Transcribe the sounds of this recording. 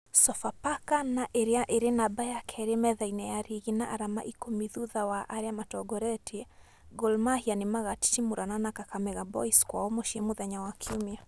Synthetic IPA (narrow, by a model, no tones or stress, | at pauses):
sɔfapakanaʔeɾiaʔeɾenabajakʰɛɾemɛðainɛjaɾiɣinaʔaɾama̰ʔikɔmiðuðawaʔaɾjamatɔɡɔɾɛtʰi | ɡɔlmahianimaɣati̥timuɾananakakamɛɣabɔ̰iskwaɔmɔʃimuðaɲawakʰiumja